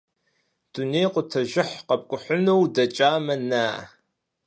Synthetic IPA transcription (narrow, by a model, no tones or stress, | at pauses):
d̥unejqʷʊtʰɐʒɪħqɐp̚ʼkʷʼʊħʷʊnowdɐt͡ʃʼaːmɐnaː